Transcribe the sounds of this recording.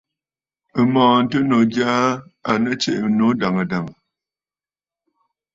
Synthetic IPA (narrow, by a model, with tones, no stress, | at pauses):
ə˦mɔ̃ː˨n̩˦tə˦no˨ɡjaː˦a˨nə˦t͡ʃḛ˦ʔno˨˦da˨ŋə˨da˨ŋə˨